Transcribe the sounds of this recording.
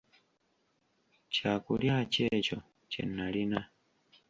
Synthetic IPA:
t͡ʃakuljat͡ʃɛt͡ʃɔ | t͡ʃɛ̰nːalina

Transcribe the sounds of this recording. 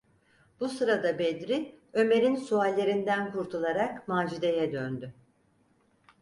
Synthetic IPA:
b̥usɯɾad̪abed̪ɾiø̞me̞ɾinsualʲːe̞ɾind̪ænkʰuɾt̪ʰulˠaɾakmaːd͡ʒid̪e̞jɛd̪ønd̪y

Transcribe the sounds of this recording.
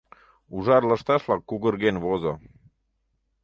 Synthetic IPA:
uʒɑrləʃt̪ɑʃlɑkːuɣərɣenβozo

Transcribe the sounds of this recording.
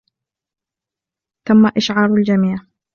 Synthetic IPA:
t̪amːaʔɪʃʕɑːɾˤald͡ʒamiːʕ

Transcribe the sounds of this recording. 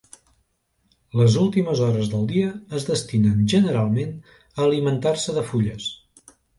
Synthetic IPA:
ləzulˠt̪iməzɔɾəzðəlˠd̪iəːzðəst̪inənʒənəɾalˠmen | əːlimənt̪arsəðəfuʎəs

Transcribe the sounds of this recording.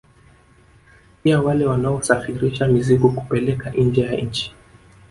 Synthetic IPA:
piawalɛwanaɔsafiɾiʃamizikuku̥pɛlɛkaʔn̩d͡ʒɛjaɲ̩t͡ʃi̥

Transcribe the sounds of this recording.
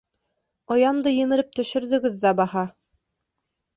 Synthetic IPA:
ŏjɑmd̪ɤjɘ̆mɘ̆ɾɘp̚t̪ɵ̆ʃɵ̆ɾðɵ̆ɡɘðːæbɑhɑ

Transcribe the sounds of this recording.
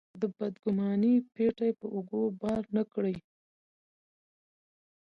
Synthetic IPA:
d̪əbad̪ɡʊmɑnipeʈajepəʔoɡobɑɾnəkɽəj

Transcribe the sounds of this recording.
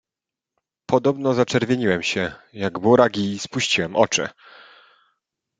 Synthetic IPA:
pɔd̪ɔbnɔzat͡ʂɛɾvʲjeɲiwɛmɕɛjaɡbuɾaɡʲispuɕt͡ɕiwɛmʔɔt͡ʂɘ̰

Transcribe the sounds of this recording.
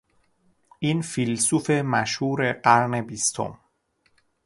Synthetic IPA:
ʔiːnfilsufe̞mæʃhuːɾeɢæɾne̞bist̪ʰo̰m

